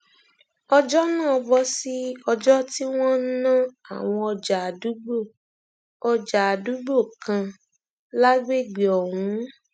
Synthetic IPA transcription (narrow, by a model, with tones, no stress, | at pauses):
ɔ˧d͡ʒɔ˦nãː˦˨ɔ˧bɔ˧si˦ɔ˧d͡ʒɔ˦ti˦w̃ɔ̃˦n̩˦nã˦a̰˨w̃ɔ̃˧ɔ˧d͡ʒa˨a˨du˨˦ɡ͡bo˦˨ | ɔ˧d͡ʒa˨a˨du˨˦ɡ͡bo˦˨kã˧ | la˦ɡ͡be˦˨ɡ͡be˨ɔ˨hũ˨˦